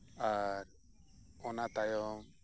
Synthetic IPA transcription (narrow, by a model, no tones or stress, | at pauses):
aɾ | ɔnat̪ajɔm